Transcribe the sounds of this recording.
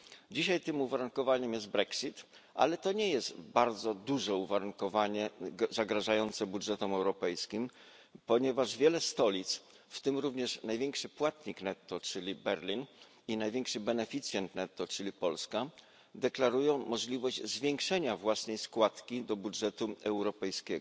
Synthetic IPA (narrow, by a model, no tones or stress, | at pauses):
d͡ʑiɕajt̪ɘmuvaɾuŋkɔvaɲɛmjɛzt̪bɾɛksit̪ | ʔa̰lɛt̪ɔɲɛjɛst̪baɾd̪zɔd̪uʐɛuvaɾuŋkɔvaɲɛzaɡɾaʐajɔnt̪sɛbudʐɛt̪ɔmɛwɾɔpɛjskʲim | pɔɲɛvaʐvʲjɛlɛst̪ɔlʲit̪s | ft̪ɘmɾuvɲɛʂnajvʲɛŋkʂɘpwat̪ɲiknɛt̪ːɔt͡ʂɘlʲibɛɾlʲin | inajvʲjɛŋkʂɘbɛnɛfʲit̪sʲjɛnt̪nɛt̪ːɔt͡ʂɘlʲipɔlska | d̪ɛklaɾujɔ̃w̃mɔʐlʲivɔʑd͡ʑzvʲjɛŋkʂɛɲavwasnɛjskwat̪kʲid̪ɔbudʐɛt̪uɛwɾɔpɛjskʲɛɡɔ